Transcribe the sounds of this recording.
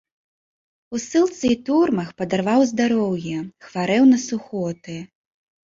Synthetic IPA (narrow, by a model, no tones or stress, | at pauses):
usɨlˠt̪sɨit̪urmɐxpɐd̪arvawzd̪aɾɔwjɛxvaɾɛwnɐsuxɔt̪ɨ